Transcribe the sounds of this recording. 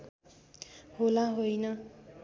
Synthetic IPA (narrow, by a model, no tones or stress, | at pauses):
holãɦojnʌ